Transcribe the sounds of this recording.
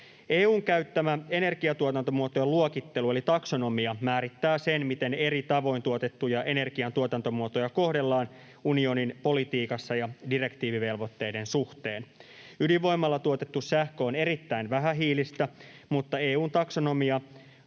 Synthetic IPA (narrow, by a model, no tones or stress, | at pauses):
eːuːŋkæyt̪ːæmæe̞ne̞rɡiɑt̪uot̪ɑnt̪omuot̪ojeluokit̪ːe̞lue̞lit̪ɑkso̞no̞miɑmæːɾit̪ːæːsenmit̪e̞ne̞ɾit̪ɑʋo̞jnt̪uot̪e̞t̪ːujɑʔe̞ne̞rkiɑnt̪uot̪ɑnt̪o̞muot̪o̞jɑko̞hde̞lːɑːn | unio̞ninpo̞lit̪iːkɑsːɑjɑdire̞kt̪iːʋiʋe̞lʋo̞t̪ːe̞jde̞nsuht̪e̞ːn | yliʋo̞imːɑlːɑt̪uot̪e̞t̪ːussæhkøone̞ɾit̪ːæinʋæɦæɦiːlist̪æmut̪ːɑe̞ːuːnt̪ɑksono̞miɑ